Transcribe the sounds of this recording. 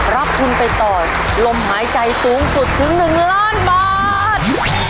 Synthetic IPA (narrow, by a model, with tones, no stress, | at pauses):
ɾa˦˥p̚kʰu˧npa˧jt̪ɔː˨˩ | lo˧mhaː˩˦jt͡ɕa˧jsuː˩˦˥ŋsu˨˩t̪ʰːɯ˩˦ŋnɯ˨˩ŋlaː˦˥˩nbaː˨˩ | t̪̚